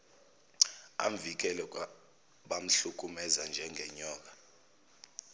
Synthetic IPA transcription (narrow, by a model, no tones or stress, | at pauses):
a̰ɱvik̬ɛlɔ | ɓam̩ɬuk̬ʼumɛzand͡ʒʱɛŋʱɛɲɔːk̬a